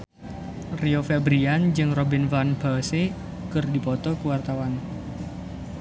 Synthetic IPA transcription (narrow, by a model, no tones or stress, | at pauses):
riofɛbɾiand͡ʒɨŋrɔbinfanbase | kɨrdipɔt̪ɔkuwart̪awan